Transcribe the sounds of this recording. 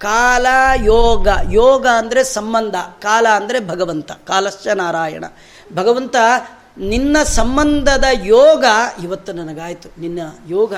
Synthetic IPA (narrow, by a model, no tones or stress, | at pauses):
kaːlɐjɔːɡɐjɔːɡɐːnd̪ɐɾesɐmbɐnd̪ʱɐkaːlɐːnd̪ɐɾebʱɐɡɐʋɐnt̪ɐkaːlɐsjɐnaːɾaːjɐ̰ɳɐ̰ | bʱɐɡɐʋɐnt̪ɐ | ninːɐsɐmbɐnd̪ʱɐd̪ɐjɔːɡɐiʋɐt̪ːunɐnɐɡaːjt̪uninːɐjɔːɡɐ